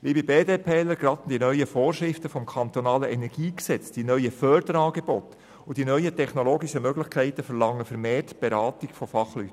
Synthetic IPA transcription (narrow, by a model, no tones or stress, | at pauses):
ʋibibeːdeːpʰeːləɾɡɾɑt̪nd̥inœʏəfoːrʃɾɪftəfɔmkʰɑnt̪ɔnɑːləʔɛnɛɾɡ̥iːksɛt͡sd̥inœʏəfœɾdəɾɑːɡebɔt̪ | ʊd̥inœʏətʰɛχnoloːɡiʃəmøɡlɪχkʰæɪtəfɛɾlɑŋːəfəɾmeːrtb̥eɾɑːtiɡfɔfɑχly̰tː